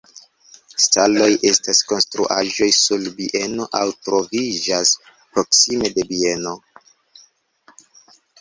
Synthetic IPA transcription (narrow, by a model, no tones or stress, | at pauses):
stalo̞jʔe̞stasko̞nstɾṵʔaʒo̞jsulbiʔe̞no̞ʔawtɾo̞vid͡ʒas | pɾo̞ksime̞de̞bie̞no̞